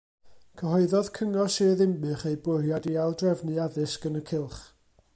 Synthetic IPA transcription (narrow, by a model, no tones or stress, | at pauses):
kʰəɦɔɨðɔð̥kʰəŋɔseðɪmbɨχejbʊrjadialˠdrɛvnɨaðɨsɡ̥ənəkʰɪlˠχ